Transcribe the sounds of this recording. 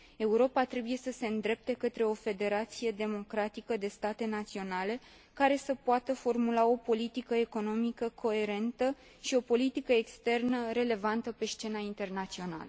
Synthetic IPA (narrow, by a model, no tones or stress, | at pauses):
e̞uɾo̞pat̪ɾe̞buje̞səse̞ɨnd̪ɾe̞p̚t̪e̞kət̪ɾe̞o̞fe̞d̪e̞ɾat̪sije̞d̪e̞mo̞kɾat̪ikəd̪e̞st̪at̪e̞nat̪sio̞nale̞ | kaɾe̞səpoat̪əfo̞rmulao̞po̞lit̪ikəe̞ko̞no̞mikəkʰo̞e̞ɾe̞nt̪ə | ʃio̞po̞lit̪ikəekst̪e̞rnəɾe̞le̞vant̪əpe̞st͡ʃe̞naint̪e̞rnat̪sio̞na̰lə